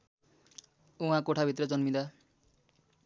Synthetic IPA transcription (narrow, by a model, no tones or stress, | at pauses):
uɦãkoʈʰabʱit̪rʌd͡zʌnmid̪a